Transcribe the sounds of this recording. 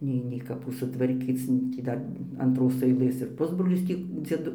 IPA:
ˈnʲɛɪ nʲɛɪ kɐˈpuː sʊtʋɐrʲˈkʲiːt͡s nʊ tʲiː ˈdɐr ɐntˈroːs ɐɪˈlˠɘs ɪr ˈpʊzbroːlʲɪs ˈtʲiː d͡zʲiɛˈdʊ

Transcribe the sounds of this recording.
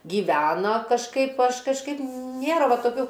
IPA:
ɡʲiːˈʋʲæːnɐ kɐʃˈkɐɪp ˈɐʃ kɐʃˈkɐɪp ˈnʲeːrɐ ˈʋɐ toːˈkʲuː

